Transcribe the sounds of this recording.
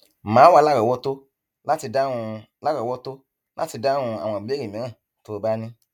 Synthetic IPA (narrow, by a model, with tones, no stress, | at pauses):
mãː˨˦wa˧la˦ɡɔ˨wɔ˦to˦ | la˦ti˧da˦ũ˧ | la˦ɡɔ˨wɔ˦to˦ | la˦ti˧da˦ŋũ˧a˨w̃ã˨be˦i˨mẽ˨˦ã˦˨ | to˨˧ba˦nĩ˦